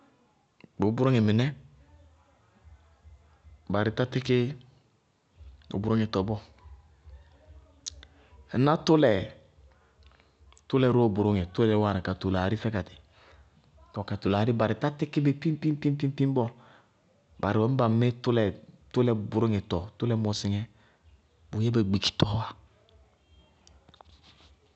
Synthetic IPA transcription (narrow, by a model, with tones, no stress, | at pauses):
bo˨˦bʊ˨˦ɾo˦ŋe˨mɪ˨nɛ˦ | ba˨ɾɪ˨ta˦tɪ˦kɪ˦ | o̰˨bʊ˨ɾo˦ŋe˨tɔ˨bɔ˦˨˦ | na˦tʊ˦lɛ˨ | tʊ˦lɛ˨ɾo˦o˨bʊ˨ɾo˦ŋe˨tʊ˦lɛ˦lɛ˨˦wa˦˨ɾa˨ka˨to˨la˨ɾi˦fɛ˦ka˨tɪ̥˨ | tɔ˨ka˨to˨laː˨ɾi˦ba˨ɾɪ˨ta˦tɪ˦ki˦be˦pi˦m˦pi˦m˦pi˦m˦pi˦m˦pi˦m˦bɔ˦ | ba˨ɾɪ˨wɛ˨˦m̩˦ba˨m˦me˦tʊ˦lɛ˨tʊ˦lɛ˨bʊ˨ɾo˦ŋɛ˨tɔ˨tʊ˦lɛ˦mɔ˨sɪ˨ŋɛ˦ | bu˨jɛ˦be˨ɡ͡bi˨ki̥˨tɔ˦wa˦